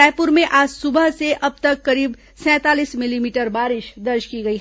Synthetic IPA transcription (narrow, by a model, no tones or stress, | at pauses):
ɛːpʊɾmẽʔaːd͡ʒsʊbəɦseʔɐb̚t̪ɐkːɐɾiːb | sɛ̃ːt̪aːliːsmɪlimiːʈəɾbaːɾɪʃd̪ɐɾt͡ʃkiɡɐiɦ